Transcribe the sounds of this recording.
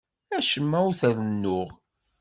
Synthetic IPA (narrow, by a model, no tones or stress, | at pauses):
æʃəmːæwθæðənːʊʁ